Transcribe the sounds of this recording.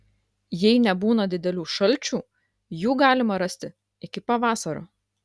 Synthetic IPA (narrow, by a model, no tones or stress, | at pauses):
jɛɪnʲɛbuːnɐd̪ʲɪd̪ʲɛlʲuːʃɐlʲˑt͡ʃʲuː | juːɡɑːlʲɪmɐɾɐsʲt̪ʲɪ | ɪkʲɪpɐʋɑːsɐɾo̰ː